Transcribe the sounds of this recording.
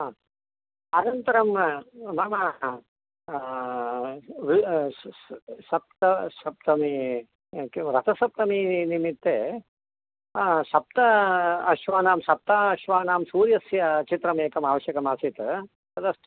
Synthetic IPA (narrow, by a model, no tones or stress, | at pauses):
aː | ɐnɐnt̪ɐɾɐmnaːmɐ | ʋi | ʃɐp̚t̪ɐʃɐp̚t̪ɐmi | kɾɐt̪ʰɐsɐp̚t̪ɐminimit̪ːeː | ʃɐp̚t̪ɐɐʃʋaːnaːmʃɐp̚t̪aːɐʃʋaːnaːmsuːɾjɐsjɐt͡ʃit̪ɾɐmeːkɐmaːʋɐʃjɐkɐmaːsit̪ | t̪ɐd̪ɐs